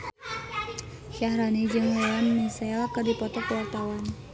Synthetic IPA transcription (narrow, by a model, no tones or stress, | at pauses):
ʃahɾanid͡ʒɨŋlewanmisɛlkɨrdipɔt̪ɔkwart̪awan